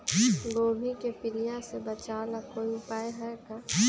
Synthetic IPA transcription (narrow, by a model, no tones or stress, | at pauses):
ɡoːbʱikepɪlijasebət͡ʃaːlakoːiʊpaːjeɦɛka